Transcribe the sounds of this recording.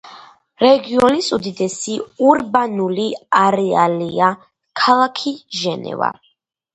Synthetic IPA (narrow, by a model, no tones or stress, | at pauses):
ɾɛɡiɔnisud̪id̪ɛsiuɾbanuliaɾɛalia | kʰalˠakʰiʒɛnɛ̰va̰